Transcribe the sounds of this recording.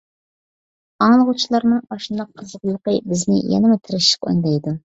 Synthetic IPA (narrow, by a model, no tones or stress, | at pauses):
ɑŋlˠəʁʊt͡ʃʰilˠɑɾnɨŋbɑʃɨnd̪ɑq̚ʰːʊzəʁlˠəqəbɪznɪ̰jɛ̰nɪmɪt̪ʰɪɾɪʃɪ̥qo̰nd̪ɑjd̪u